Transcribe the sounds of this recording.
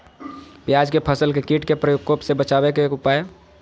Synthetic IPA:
pjad͡ʒkepʰəsəlkekiʈkepɾəjoɡkoːpsebət͡ʃaːbekeʊpaːe

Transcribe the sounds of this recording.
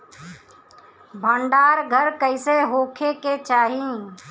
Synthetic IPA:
bʱə̃ɳɖaːɾɡʱəɾkəɪseɦoːkʰeket͡ʃaːɦĩ

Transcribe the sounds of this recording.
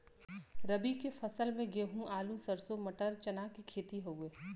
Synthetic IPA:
ɾɐbikefɐsəlmẽɡeːɦũʔaːlusəɾsomɐʈəɾt͡ʃɐnaːkikʰeːt̪iɦoweː

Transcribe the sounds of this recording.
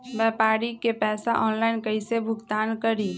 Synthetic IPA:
bɛːpaːɾikepɛːsaʔɔːnlaːɪnkəisebʱʊɡt̪aːnkəɾi

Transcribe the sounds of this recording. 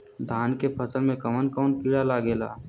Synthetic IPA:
d̪ʱaːnkepʰɐsəlmẽkɐmənkɔːnpiːɽalaːɡeːla̰ː

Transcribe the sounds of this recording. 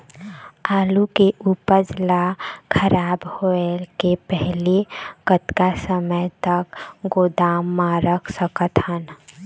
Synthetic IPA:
aːlukeʔuːpəɾd͡ʒlakʰəɾaːbhoelkepɛɦlekət̪kasəməjt̪əkɡoːd̪aːmːãɾəkʰsəkət̪ɦən

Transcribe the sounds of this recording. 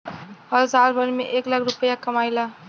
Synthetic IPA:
ɦʌld͡zalbʱʌɾmeʔeklaɡɾupəjakəmajla

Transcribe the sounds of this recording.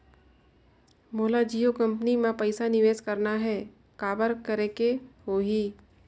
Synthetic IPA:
moːlad͡ʒiːokɐ̃mpənimãpəɪsanɪʋeːskɐɾnaɦɛ | kaːbəɾkəɾekeɦoːɦiː

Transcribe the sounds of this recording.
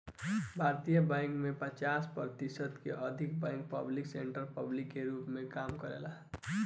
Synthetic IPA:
bʱaɾt̪ijəbajŋkmepət͡ʃaspʌɾt̪isʌd̪keʔʌd̪ʱik̚bãjŋk̚pʌblikseɳʈəɾpʌblikːeɾupmekamkʌɾḛla

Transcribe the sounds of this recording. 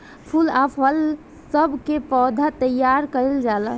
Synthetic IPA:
pʰulapʰəl | səbʱkepɔd̪ʱat̪əjaɾkəɾeld͡ʒalə

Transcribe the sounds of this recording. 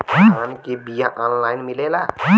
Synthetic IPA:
ankebijaʔɔnlajnmilela

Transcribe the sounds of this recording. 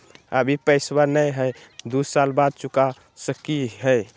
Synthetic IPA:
ə̰bʱipəɪswanəjɦəɪd̪usalbad̪̚t͡ʃuka | səkiɦəɪ

